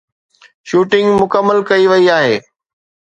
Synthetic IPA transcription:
ʃuːʈɪ̃ŋɡmʊkəmːəlkɐiʋɐiaːɦeː

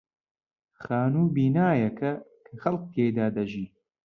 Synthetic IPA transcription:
xaːnuːbiːnaːjɐkʰɐkʰɐxɐlq̚t̪ʰeːjd̪aːd̪ɐʒiː

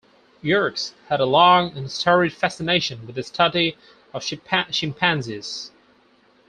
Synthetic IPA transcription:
jɜɹkshəɾəlɑ̃ŋə̃nstʰɜɹɪd̥fæsɪneɪʃə̃nwɪðɪstʰʌdi | əv̥ʃɪ̃mpʰæ̃nzɪz̥

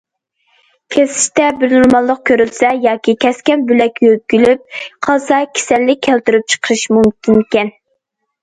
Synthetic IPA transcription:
kʲʰesɪ̥ʃt̪ɛbɪɾnuɾmɑlˠːəq̚kʲʰøɾylsɛjɑːkʲʰikʲʰɛskʲɛnbylɛkʲjøkʲylyp̚qʰɑsɑkʲʰe̥sɛlːɪk̚ʲkʰːælt̪yɾyp̚t͡ʃʰə̥qʰəɾɨʃmumkʲʰinkʲɛn

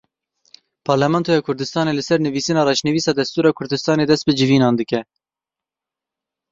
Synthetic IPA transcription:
pʰɑːɾlɛmɛnt̪ʰoːjɑːkʰʊɾd̪ɨst̪ɑːneːlɨsɛɾnɨviːsɨnɑːɾɑːʃnɨviːsɑːd̪ɛst̪uːɾɑːkʰʊɾd̪ɨst̪ɑːneːd̪ɛst̪̚bɨd͡ʒɨviːnɑːnd̪ɨkɛ

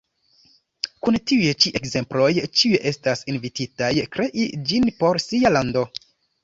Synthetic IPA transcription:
kuntiujet͡ʃiʔe̞kze̞mplo̞jt͡ʃiueʔe̞stasinvititajkɾe̞ʔid͡ʒinpo̞ɾsialando̞

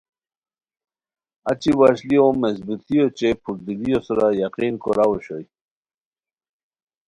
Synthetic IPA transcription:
at͡ɕiwaɕliomezbut̪ijot͡ɕepʰuɾ̚d̪iɡijosɾajaqiːnkoɾawoɕoj

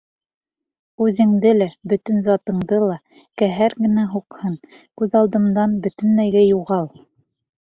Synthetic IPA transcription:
ʉðɘ̆ŋd̪ɘlæbɵ̆t̪ɵnzɑt̪ɤ̆ɴd̪ɤlˠɑ | kæɦæɾɡɘ̆næɦuqhɤnkʉðɑlˠd̪ɤ̆md̪ɑnbɵ̆t̪ɵ̆næjɡæjuʁɑlˠ

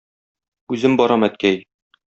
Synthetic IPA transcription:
ʉzɘmbɒɾɑmæt̪̚kæj

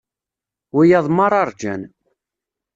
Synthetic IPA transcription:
wijɑðˤmɑɾˤɑɾˤd͡ʒæ̰n

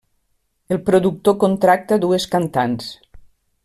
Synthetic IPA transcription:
elˠpɾoðuk̚t̪okont̪ɾak̚t̪aðueskant̪ans

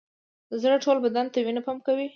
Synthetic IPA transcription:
d̪əzɽaʈolbad̪ant̪awinapamkawi

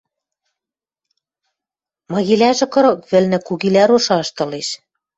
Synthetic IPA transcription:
mɤ̆ɣilæʒɘ̆kɤ̆ɾɤ̆k̚βɘ̆lnɘ̆kuɣilæɾoʃɑʃt̪ɤ̆leʃ

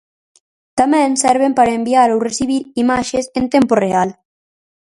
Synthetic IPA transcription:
t̪amẽnsɛɾβ̞empaɾaembiaɾowresiβ̞iɾimaʃesent̪emporeal

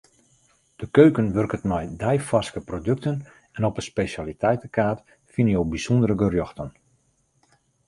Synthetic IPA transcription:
d̥əkøɥkənʋørkətmɔjdɛjfarskəprodøk̚tən | ɛnɔpəspesalitʰɛjtəkaːt | finəjowbisɔndəɾəɡərjɔxtən

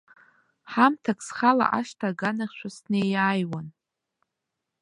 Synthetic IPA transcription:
ħamtʰaksχala̰ʔaʃtʰaɡanaχʲʃʷasnejaːjwan

